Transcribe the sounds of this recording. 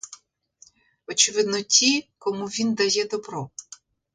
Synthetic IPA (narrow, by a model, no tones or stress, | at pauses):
ɔt͡ʃɪʋɪd̪nɔtʲikɔmuʋʲind̪ɐjɛd̪ɔbɾɔ